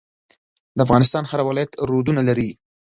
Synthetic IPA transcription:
d̪əafɣɑnɪst̪ɑnhaɾawɪlɑjat̪ɾod̪unalaɾi

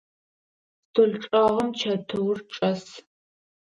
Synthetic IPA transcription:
tʰoɮʈ͡ʂʼɐʁɐmt͡ʃʰɐtʰɨwrʈ͡ʂʼɐs

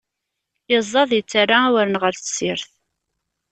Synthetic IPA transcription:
ɪzˤːɑðˤjət͡sːarːawəɾənʁəɾθəsiɾθ

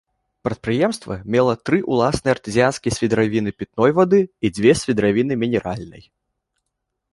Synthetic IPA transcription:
pɾɐt̪̚pɾɨjɛmst̪vɐmʲɛlˠɐt̪ɾɨʔulˠasnɨjɐrt̪ɨzʲijanskʲijsʲvʲid̪ɾavʲinɨpʲit̪̚nɔjvad̪ɨid͡zʲvʲɛsʲvʲid̪ɾavʲinɨmʲinʲɛɾalʲnɨ̰j

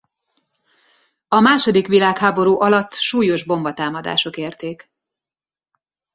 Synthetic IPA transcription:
ɒmaːʃo̞d̪ikʋilaːkhaːbo̞ɾuːʔɒlɒt̪ːʃuːjo̞ʒbo̞mbɒt̪aːmɒd̪a̰ːʃo̞keːrt̪eːk

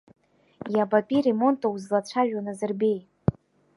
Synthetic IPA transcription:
jabapʼire̞mo̞ntʼawuzlat͡ɕʷʰaʒᶣwanazɨrbe̞j

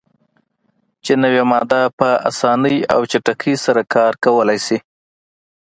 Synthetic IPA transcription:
t͡ʃenawamɑd̪apəa̰sɑnəja̰wt͡ʃaʈakʰisaɾakɑɾkawəlajsi

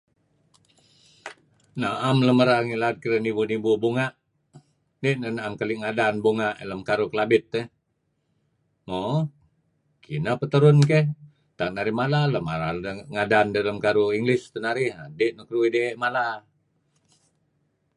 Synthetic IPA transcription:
naamləməɾaŋilaat̪̚kiɾənibunibubuŋaʔ | deʔnənaamkəliʔŋadanbuŋaʔḛləmkaɾukəlabɪt̪ːə | mo | kinəpət̪əɾʊnkeh | t̪anaɾihmalaləmaɾaəŋadandələmkaɾuiŋɡlɪst̪ənaɾɪhadeʔnəkəɾuidemala

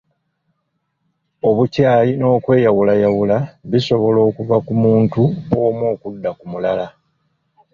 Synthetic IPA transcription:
o̞βucaːjino̞ːkwe̞ːjawulajawulaβiso̞βo̞lo̞ːkuvakumuːntuoːmwo̞ːkudːakumulala

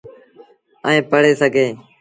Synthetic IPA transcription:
əẽːpəɽeːsəɡʱeː

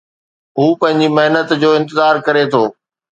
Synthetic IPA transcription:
ɦuːpɐ̃ɦɪ̃ɲd͡ʑimɐɦnət̪d͡ʑoːɪ̃nt̪ɪzaːɾkɐɾet̪ʰoː

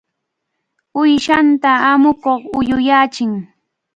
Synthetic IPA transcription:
ʊjʃant̪aːmʊkoχʊjʊjaːt͡ʃɪŋ

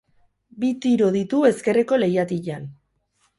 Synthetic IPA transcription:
bit̪iɾo̞ðit̪ue̞ske̞re̞ko̞le̞jat̪iʎan

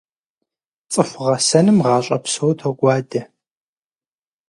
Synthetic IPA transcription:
t͡sʼɨfʷʊʁɐsɐnɨmʁɑːɕʼɐpsowtʰoɡʷɑːdɐ

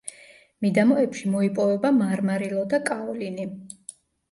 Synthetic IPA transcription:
mid̪amɔɛpʃimɔipʼɔvɛbamaɾmaɾilˠɔd̪akʼaɔlini

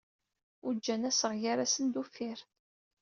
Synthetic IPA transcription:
ud͡ʒːænæsəʁjaɾasənd̪ufːɪɾ

